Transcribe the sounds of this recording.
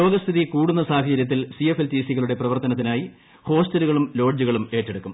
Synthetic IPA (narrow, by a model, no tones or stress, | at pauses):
o̞ːɡɐst̪ʰiðikuːɽunːɐsaːkʰɐd͡ʑɐɾjɐt̪ːilsiefelt̪iːsiɣɐɭuɽe̞prɐʋɐrt̪ːɐnɐt̪̬ːinaːji | ho̞ːstɐluɣɐɭumlo̞ːɖd͡ʑuɣɐɭume̞ːʈːeɽukːum